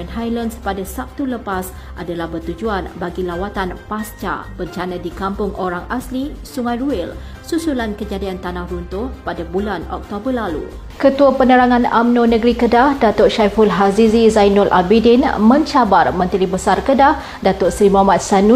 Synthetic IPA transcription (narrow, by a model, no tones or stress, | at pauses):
ənajlanspadasap̚t̪uləpas | ʔadalahbərt̪ud͡ʒuanbaɡilawat̪anpast͡ʃa̰bəɲt͡ʃanãdikampʊŋʔoɾaŋaslisuŋajruɪl | susulankəd͡ʒadiant̪anahrunt̪ʊhpadabulanɔ̰k̚t̪obərlalṵ | kət̪uapənəɾaŋãna̰mnõnə̃ɡɾikədahdat̪ʊtʃajfulɦazizizajnɔlʔa̰bidinmə̃ɲt͡ʃabarmə̃nt̪ɾibəsarkədah | dat̪ʊtsɾimamat̪̚sanu